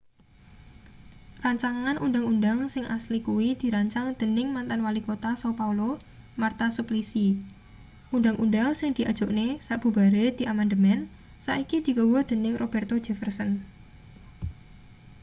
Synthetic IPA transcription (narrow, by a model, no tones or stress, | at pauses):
raɲt͡ʃaŋanʔundaŋundaŋsɪŋʔaslikuwid̪̥i̤ɾaɲt͡ʃaŋd̪̥ə̤nɪŋmant̪anwalikot̪asapaulo | mart̪asuplisi | ʔundaŋʔundaŋsɪŋd̪̥i̤ʔḁʒ̥oʔnesaʔb̥ṳbaɾed̪̥i̤ʔamand̪əmɛn | saʔikid̪̥i̤ɡə̤wɔd̪̥ə̤nɪŋrʔob̥ɛrt̪o̥d͡ʒefərsən